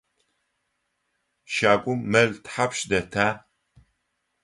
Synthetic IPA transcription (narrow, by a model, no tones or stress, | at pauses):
ʃaːkʷʼʊmːɐɮtħapʃdɐtʰaː